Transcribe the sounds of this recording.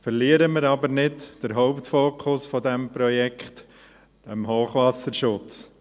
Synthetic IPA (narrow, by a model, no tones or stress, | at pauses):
fəɾliəɾəmɪɾɑbəɾnɪtd̥əɾɦɔʊpt̪foːkʰʊsfɔdɛmpɾɔjɛkχt | d̥ɛmhoːχʋɑsəɾʃʊt͡s